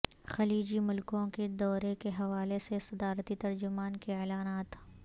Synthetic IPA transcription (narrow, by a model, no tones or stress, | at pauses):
xɐliːd͡ʒimʊlkõked̪ɔːɾekeɦɐʋaːlesesɐd̪aːɾt̪it̪ɐɾd͡ʒʊmaːnkeeːlaːnaːt̪